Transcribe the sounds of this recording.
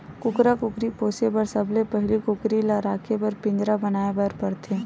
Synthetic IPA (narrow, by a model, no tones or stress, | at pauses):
kʊkɾakʊkɾipoːsepɐɾsɐbʱlepɛɦlikʊkɾilaɾaːkʰepɐɾpɪ̃ɲd͡ʒɾabənaːebəɾpɐɾt̪ʰeː